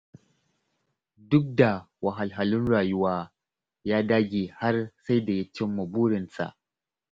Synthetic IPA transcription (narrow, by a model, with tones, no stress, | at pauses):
dʊ˦k̚da˨ | wa˨ɦa˨lɦa˨lʊ˦nɽaː˨ju˦waː˦ | jaː˦daː˦ɡʲiː˨ha˦rsa˦jda˨ja˦t͡ʃɪ˦mːɐ˨buː˦ɽɪ˨nsa̰˨ʔ